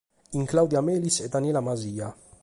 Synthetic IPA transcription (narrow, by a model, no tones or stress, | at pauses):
iŋklɐwd̪jɐmɛːlisɛd̪ɐnjɛːlɐmɐziːjɐ